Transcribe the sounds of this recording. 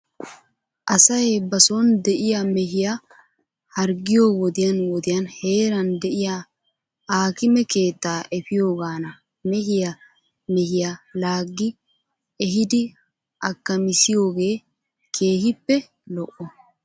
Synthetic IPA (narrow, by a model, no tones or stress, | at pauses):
ʔɐsɐjbɐsoːnd̪ɛʔɪjamɛɦɪja | hɐɾɡɪjo̞ːwɔd̪ɪjɐnwɔd̪ɪjɐnhe̞ːɾɐnd̪ɛʔɪja | aːkɪmɛke̞ːt̪ːaːʔɛfɪjo̞ːɡaːnɐ | mɛɦɪja | mɛhɪjalaːɡːɪ | ɛɦɪd̪ɪ | ʔɐkːɐmɪsɪjo̞ːɡe̞ː | kʰe̞ːhɪpːɛ | lɔʔːɔ